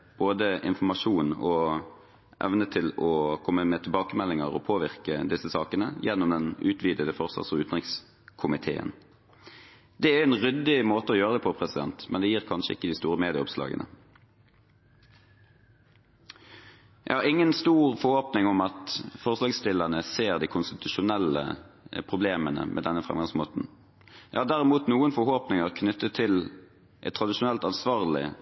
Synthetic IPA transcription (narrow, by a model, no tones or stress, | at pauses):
b̥oːd̪əɪ̰nfɔmɑʃuːnɔ | ʔɛ̰ʋnət̪ʰɪlɔkʰɔmːəmɛt̪ʰɪlbɑːkəmɛlːɪŋəʁɔ̰pʰoːʋɪʁkəd̪ɪsːəsɑːkənəjɛnːɔmd̪ɛnʉːt̪ʰʋiːd̪əd̪əfɔʁsɑ̰t̪sɔʉːt̪n̩ʁɪŋs | kʰʊmɪt̪ʰḛːə̰n | d̪̥ɛæɛɪnʁʏd̪ɪmoːt̪əɔjøːʁəd̪ɛːpʰɔpʰʁɛsɪd̪ɛnt̪mʔɛnd̪ɛjiːʁkʰɑnʃəɪ̰kːəd̪ɪst̪uːʁəmeːd̪ɪəɔpslɑ̰ːɡə̰nʔə̰ | jʔæ̰hɑʁɪŋːənst̪uːʁfɔhoːpnɪŋʊmɑt̪fɔʁslɑːɡst̪ɪlːənəseːʁd̪iːkʰʊnst̪ɪt̪ʉʃʊnɛlə̰pʰʁʊbleːmənə̰mʔɛ̰ːd̪ɛnːəfʁɛ̰mɡɑŋsmoːt̪n̩ | jæɪhɑːd̪æʁɛmuːt̪nuːənfɔhoːpnɪŋəʁkʰnʏt̪ːət̪ʰɪl | ʔɛ̰t̪t̪ʰʁɑd̪ɪʃʊnɛlt̪ɑnsʋɑːʁlɪ̰